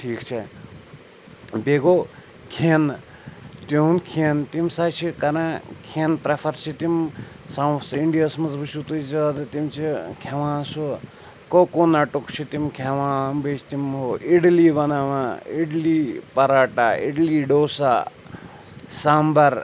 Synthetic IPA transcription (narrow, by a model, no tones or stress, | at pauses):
ʈʰiːkt͡ʃʰe | beɡoː | kʰeːn | t̪uunkʰeːnt̪imsaːt͡ʃʰikɐɾãkʰeːnpɾɐfʰɐɾt͡ʃʰit̪im | sawsiɳɖijasmɐzbɨʃut̪uzɐd̪t̪imt͡ʃʰikʰeʋãːsu | kokoːnaʈukt͡ʃʰit̪imkʰeʋãːbeːt͡ʃʰt̪imɦoiɽliːbɐnaːʋãiɽliːpɐɾaːʈaːḭɖliːɖoːsaː | saːmbɐɾ